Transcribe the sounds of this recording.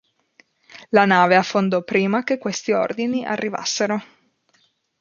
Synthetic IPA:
lanaːveafːond̪ɔpɾiːmakekːwest̪io̰rd̪iniʔa̰rːiva̰sːeɾo

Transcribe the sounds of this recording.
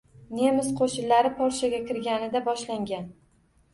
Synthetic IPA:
ne̞mɪsqʰoʃɪnlaɾɪpʰɒɾʃaɡʲakʲɪɾɡʲanɪd̪abɒʃlaŋɡʲan

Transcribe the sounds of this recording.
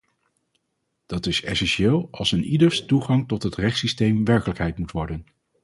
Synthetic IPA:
d̥ɑtɪsɛ̰sɛnʃɪːlˠɑlˠsənidəɹstuχɑŋtɔtɦətrɛχtsistejmʋɛɹkələkɦɛjtmutʋɔɹdən

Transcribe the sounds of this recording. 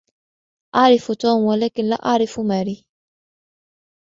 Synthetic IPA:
ʔaʕɾɪfut̪ɔːmwalɛːkɪnla̰ʔaʕɾɪfumaɾi

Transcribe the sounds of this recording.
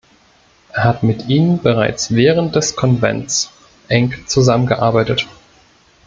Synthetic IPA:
ʔeːɐhatmɪtʔiːnənbəʁ̞a̰ɪt͡sv̥ɛːʁ̞ənt̚d̥ɛskʰɔnvɛ̰nt͡s | ʔɛŋkt͡suzamənɡəʔaɐbaɪtət

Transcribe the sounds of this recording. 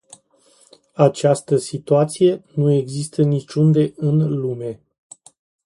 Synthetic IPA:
at͡ʃast̪əsit̪uat̪sije̞nue̞ɡzist̪ənit͡ʃund̪e̞ʔɨnlume̞

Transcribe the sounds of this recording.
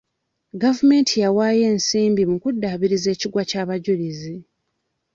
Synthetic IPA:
ɡavume̞ːntʰijawaːje̞ːnsiːmbimukudːaːβiɾize̞ːciɡwacaːβaɟulizi

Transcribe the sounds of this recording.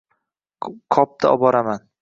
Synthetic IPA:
kʰɒp̚t̪ʰaɒbɒɾaman

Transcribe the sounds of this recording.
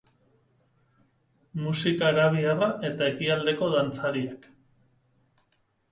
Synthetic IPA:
musikaɾaβ̞iaraʔe̞t̪ae̞kiald̪e̞ko̞ðant͡saɾiak

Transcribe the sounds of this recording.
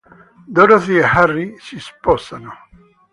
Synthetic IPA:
d̪oɾaθieharːisispɔsano

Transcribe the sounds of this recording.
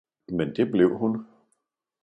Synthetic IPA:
mend̥e̝ble̝ʊ̰ɦun

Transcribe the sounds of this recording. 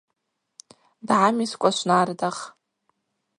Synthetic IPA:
dʕamiskʷʼaʃʷnardaχ

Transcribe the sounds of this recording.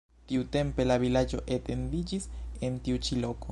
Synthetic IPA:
t̪iut̪e̞mpe̞lavilad͡ʒo̞ʔet̪e̞nd̪id͡ʒisent̪iut͡ʃilo̞ko

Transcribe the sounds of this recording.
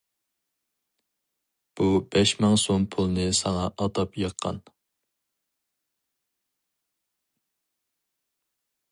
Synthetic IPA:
b̥ubɛʃmɨŋsompʰulˠnɨsɑŋɑʔɑt̪ɑpjɑqʰːɑ̰n

